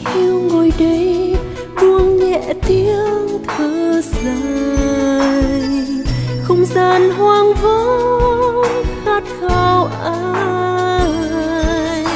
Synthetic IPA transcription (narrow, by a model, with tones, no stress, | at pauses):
xi˧wŋo˨˩jɗə˨˦j | ɗu˧əŋɲɛ̰˧˨t̪i˧˦əəŋt̪ʰɨː˧˩za˧˦ | j | xə˧wŋ͡mzaː˧nɦwaː˧ŋvə˧˦ | xaː˧˥t̚xa˧˩wʔaː˧˦